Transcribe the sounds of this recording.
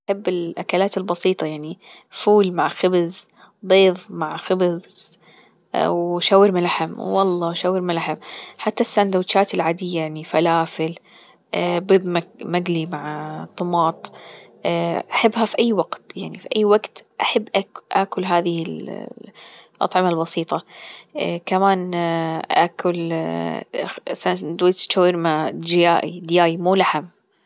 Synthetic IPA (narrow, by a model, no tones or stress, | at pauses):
ʔaħabːɪlʔakalaːt̪ɪlbɑsiːt̪ˤɑjaʕni | fuːlmaʕxɪbz | beːðˤmaʕxɪbz | wʃaːwːɪɾmɪlaħamwːɑlˤːɑːʃaːwːɪɾmɪlaħamħat̪ːasːand̪awt͡ʃaːt̪ɪlʕaːd̪ɪjːajaʕnifalaːfɪl | bɨːðˤmamaɡlimaʕt̪ˤːʊmɑːt̪ˤː | ʔaħɪbːɦafiʔajːwaɡt̪jaʕnifiʔajːwaɡt̪ʔaħabːʔaʔa̰ːkʊlɦaːðɪhɪl | ʔɑ̰t̪ˤʕɪmalbɑsiːt̪ˤɑ | kamaːnʔa̰ːkʰʊl | sad̪wit͡ʃawːɪɾmad͡ʒɪjaːʔḭd̪jaːjmuːlaħam